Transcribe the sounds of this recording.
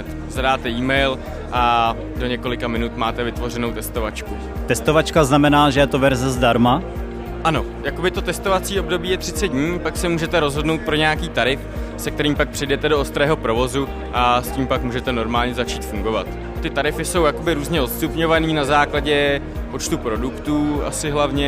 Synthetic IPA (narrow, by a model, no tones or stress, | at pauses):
t̪ | zadaːt̪ɛiːmɛjl | ʔa | do̞ɲɛko̞lɪkamɪnut̪maːt̪ɛvɪt̪vo̞rɛno̞wt̪ɛst̪o̞vat͡ʃku | t̪ɛst̪ovat͡ʃkaznamɛnaːʒɛjɛt̪ovɛɾzɛzdaɾma | ʔano̞ | jako̞bɪt̪o̞t̪ɛst̪o̞vat͡siːo̞bdo̞biːjɛt̪r̥ɪt͡sɛd̪̚dɲiːpaksɛmuːʒɛt̪ɛɾo̞zɦo̞dno̞wt̪̚pɾo̞ɲɛjakiːt̪aɾɪfsɛk̚t̪ɛɾiːmpak̚pr̝̥ɪjdɛt̪ɛdo̞ost̪ɾɛːɦo̞pɾo̞vo̞zu | ʔasciːmpakmuːʒɛt̪ɛno̞ɾmaːlɲɛzat͡ʃiːt̪fuŋɡo̞vat̪ | t̪ɪt̪aɾɪfɪso̞wjako̞bɪɾuːzɲɛʔo̞t̪st̪upɲo̞vaniːnazaːklaɟɛ | po̞t͡ʃt̪upɾo̞dukt̪uːa̰sɪɦlavɲɛ